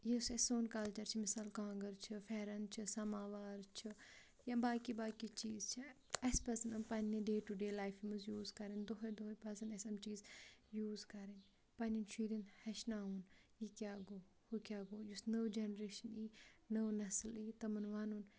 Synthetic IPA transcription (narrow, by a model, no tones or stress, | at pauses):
jisɐsoːnkɐlt͡ʃɐɾt͡ʃʰimɪsaːlkãːŋɡəɾt͡ʃʰɨfɛːɾɐnt͡ʃʰisɐmaːʋaːɾt͡ʃʰi | jabaːkibaːkit͡ʃiːzt͡ʃʰi | ɐspɐsɐnɐmpɐnniɖeːʈuɖeːlaːjfimɨzjuːzkɐɾind̪oɦɐd̪oɦpɐsɐnɐsɐmt͡ʃiːzjuːzkɐɾin | pɐnint͡ʃʰiːɾinhɐʃnaːɦuːnjikʲjaːɡoː | hukʲjaːɡoːjusnɐwd͡ʒenɾeːʃɐniːnɐwnɐsliːt̪ɐmɐnʋaːnuːn